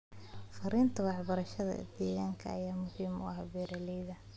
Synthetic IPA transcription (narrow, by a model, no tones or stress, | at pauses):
fɐɾiːnt̪ʰɐwɑħbɐɾɐʃɐðɐ̰d̪̥ɛːɣaːŋkʰɐ̰ɐjaːmʊhiːmʊ̰ʔɐhbɛːɾɐlɛjðɐ